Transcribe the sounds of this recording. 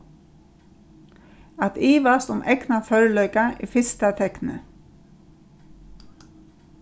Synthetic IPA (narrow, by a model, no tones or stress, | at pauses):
ɑt̪iːʋɑst̪ʊmʔɛknafœɹlœʏkaʔḭːfɪst̪at̪ʰɛknə̰